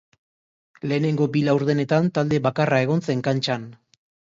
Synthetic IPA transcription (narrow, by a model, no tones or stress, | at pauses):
le̞ːne̞ŋɡo̞bilawɾð̞e̞ne̞t̪ant̪ald̪e̞βakarae̞ɣ̞o̞nt͡se̞ŋkant͡ʃan